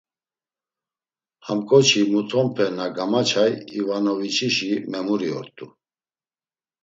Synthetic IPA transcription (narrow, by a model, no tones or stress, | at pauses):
hamkʼɔt͡ʃʰimut̪ʰɔmpʰɛnaɡamat͡ʃʰajivanɔvit͡ʃʰiʃimɛmuɾiɔ̰ɾt̪ʼu